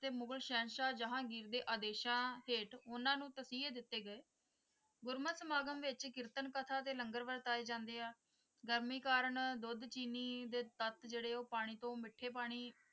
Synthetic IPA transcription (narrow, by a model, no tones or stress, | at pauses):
t̪eːmʊɡəlʃɛ̃ːnʃaːd͡ʒəɦãːɡiːɾd̪eːʔaːd̪eːʃãːɦeːʈʊnãːnũːt̪əsiːd̪ɪt̪ːeːɡəeː | ɡʊɾməsəmaːɡəmʋɪt͡ʃkɪɾt̪ənkət̪ʰaːt̪eːləŋɡəɾʋəɾt̪aːeːd͡ʒãːnd̪eːaː | ɡəɾmiːkaːɾəɳd̪ʊd̪t͡ʃiːniːd̪eːt̪ət̪d͡ʒeːɽeːoːpaːɽ̃iːt̪õːmɪʈʰːeːp̬aːɽ̃iː